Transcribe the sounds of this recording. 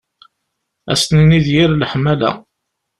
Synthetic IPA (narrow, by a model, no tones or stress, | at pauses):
æ̰st̪nəniðjiɾlħmːælæ̰